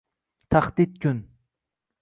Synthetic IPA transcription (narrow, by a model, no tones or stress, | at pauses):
t̪ʰaχd̪it̪̚kʰʲʊn